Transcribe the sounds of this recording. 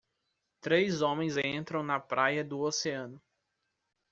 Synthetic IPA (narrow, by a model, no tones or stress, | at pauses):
t̪ɾejzõmẽj̃zẽnt̪ɾɐ̃w̃nɐpɾajɐd̪ʊoseɐ̃nʊ